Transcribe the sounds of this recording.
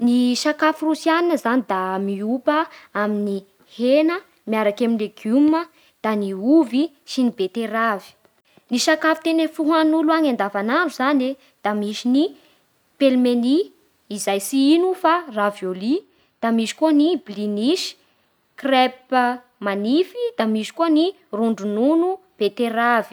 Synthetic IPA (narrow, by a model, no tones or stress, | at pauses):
niʃakafurusianinəzanid̪amiupəamini | henə | miaɾakaminleɡumə | d̪̥aniuvi | sinibet̪eɾavi̥ | niʃakafi̥t̪enefuɦanuluaŋand̪avanaɳɖ͡ʐuzane | d̪̥amiʃini | pelmeniː | zajsiinufaravjoli | d̪̥amiʃi̥kunibiliniʃi̥ | krɛp̚ | manifid̪̥amiʃi̥kuni | ruɳɖ͡ʐununu | b̥et̪eɾavi̥